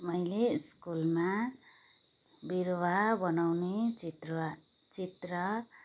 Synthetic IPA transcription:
mʌjleskulma | biɾwabʌnawnet͡sit̪r | t͡sit̪rʌ

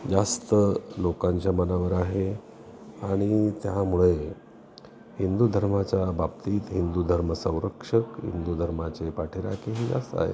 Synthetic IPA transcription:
d͡zast̪əlokaɲt͡ɕjamənaʋəɾaɦe | aɽ̃it̪jamuɭe | hind̪ud̪ʱəɾmat͡ɕjabʱap̚t̪iːt̪ɦind̪ud̪ʱəɾməsə̃w̃ɾəkʂəkɦḭnd̪ud̪ʱəɾmat͡ɕepaʈʰeɾa̰keɦid͡za̰st̪a̰ɦḛ

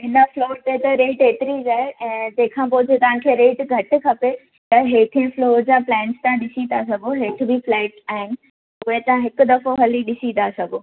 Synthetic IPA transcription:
ɦɪnəfloːɾt̪et̪ɐɾeːʈeːt̪ɪɾid͡ʑaːɦeʔɛ̃ːd͡ʑẽːɪ̃kʰãːp̬oːd͡ʑʱet̪ɐʋãkʰeɾeːʈɡʱɐʈɪ̆kʰɐpe | t̪ɐɦeːʈ̪ʰẽfloːɾd͡ʑaːplɛ̃ːnst̪ãɗɪsĩnasɐɡʱoɦeːʈ̆ʰbʱiflɛːʈaːɦɪnɪ̆ | ʊɦet̪ãɦɪkʊ̆d̪ɐfoɦɐliɗɪsĩnasɐɡʱoː

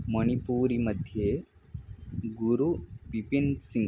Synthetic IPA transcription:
mɐnipuːɾimɐd̪ʱje | ɡuɾupipinsĩŋ

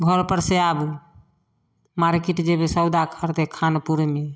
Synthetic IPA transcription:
ɡʱɔɾpəɾseab | maɾkiʈd͡ʒebesəwd̪akʰəɾt̪ekʰanpuɾme

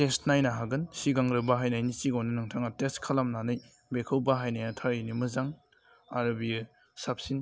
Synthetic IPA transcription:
testnajnaɦaɡɯnsiɡaŋɾɯbaɦajnajnisiɡawnɯnɯŋtʰaŋateskʰalamnanɯj | bekʰɯwbaɦajnajatʰaɾinimɯzaŋ | aɾɐbi | sap̚sin

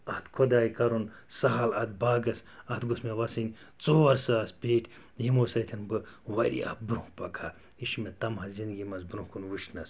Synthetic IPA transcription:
ɐht̪kʰod̪aːjkɐɾun | sɐɦɐlɐt̪̚baːɡɐsɐt̪ɡosmeʋɐsɨnʲ | t͡soːɐɾsaːspʲeːʈ | jimosɐt̪ʰinbɨʋɐɾḭɐ̰bɾũhpɐkʰa | iʃmet̪ɐmhɐzind̪ɡimɐzbɾũhkunʋɨʃnɐs

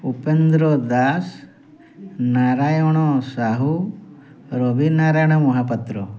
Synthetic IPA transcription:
upend̪ɾod̪aːs | naːɾaːjoɳ̃osaɦu | ɾobinaːɾaːjɳ̃ɐmuɦapɐt̪ɾu

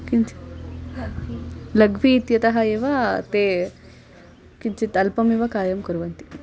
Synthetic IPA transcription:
kint͡ʃ | lɐɡʋiːt̪jɐt̪ɐɦɐeːʋɐt̪eː | kint͡ʃit̪ɐlpɐmiʋɐkaːjɐmkuɾʋɐnt̪i̥

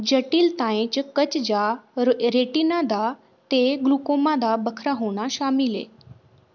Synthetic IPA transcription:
d͡ʑəʈiːlt̪ãẽt͡ɕkət͡ɕd͡ʑaɾeʈinad̪a | t̪eɡlukomãd̪abəkʰɾaɦoɽ̃aɕamilḛ

